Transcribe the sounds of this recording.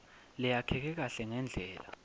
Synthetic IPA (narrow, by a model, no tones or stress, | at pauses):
lɛjakʰɛk̬ɛk̬aɬɛŋɛnd͡ɮʱɛːla̰